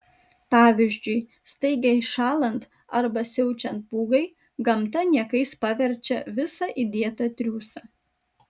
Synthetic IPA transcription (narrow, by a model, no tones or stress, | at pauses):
pɑːʋʲɪʒʲd͡ʒʲʊɪ | st̪ɐɪɡʲɛɪʃɑːlˠɐnt̪ | ɐɾbɐsʲɛʊt͡ʃʲɛnt̪̚puːɡɐɪ | ɡɐmt̪ɐnʲiɛkɐɪspɑʋʲɛɾʲt͡ʃʲɛʋʲɪsɑːʔid̪ʲiɛt̪ɐt̪ʲɾʲuːsɑ